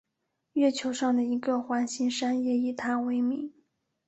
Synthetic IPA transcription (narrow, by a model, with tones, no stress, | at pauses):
ɥɛ˥˩t͡ɕʰjo˧˥ʊʂɑ˥˩ŋd̪ə˩i˧˥ɡə˧˩xwa˧˥nɕi˥nʂa˥njɛ˧˥y˨˩t̪ʰa˥we˧˥ɪmi˧˥˦